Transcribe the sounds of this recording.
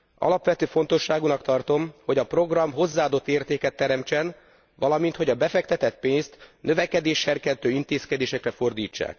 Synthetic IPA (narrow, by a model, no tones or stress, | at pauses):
ʔɒ̰lɒpʋɛt̪øːfo̞n̪t̪o̞ʃːaːɡunɒkt̪ɒrt̪o̞mho̞ɟɒpro̞ɡrɒmɦo̞zːaːɒːd̪o̞t̪ːeːrt̪eːkɛt̪ːɛɾɛmt͡ʃɛn | ʋɒlɒmint̪ho̞ɟɒbɛfɛkt̪ɛt̪ɛt̪̚peːnst̪nø̞vɛkɛd̪eːʃɛrkɛnt̪øːint̪eːskɛd̪eːʃɛkrɛfo̞rd̪iːt͡ʃːa̰ːk